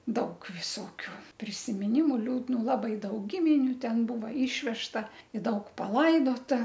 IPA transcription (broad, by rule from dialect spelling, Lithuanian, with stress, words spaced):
ˈdɐʊk ʋʲɪˈsoːkʲʊ pʲrʲɪsʲɪmʲɪˈnʲɪmʊ lʲuːdˈnuː lˠɐbɐɪ ˈdɐʊk ˈɡʲɪmʲɪnʲʊ ˈtʲɛn ˈbuːʋɐ ˈiːʃʲʋʲɛʃtɐ ɪ ˈdɐʊk pɐˈlˠɐɪdoːtɐ